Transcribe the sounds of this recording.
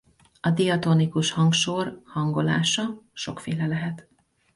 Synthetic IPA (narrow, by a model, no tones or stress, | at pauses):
ɒd̪ijɒt̪o̞nikuʃhɒŋkʃoːrhɒŋɡo̞la̰ːʃɒʃo̞kfeːlɛlɛɦɛt̪